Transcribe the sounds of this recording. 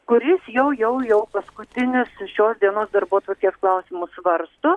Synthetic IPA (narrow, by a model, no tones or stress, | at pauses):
kʊɾʲɪsjɛʊjɛʊjɛʊpɐskʊt̪ʲɪnʲɪsʃʲoːsd̪ʲiɛnoːsd̪ɐɾbuɔt̪ʋɐrʲkʲeːsklˠɐʊsʲɪmʊsʋɐɾst̪ʊ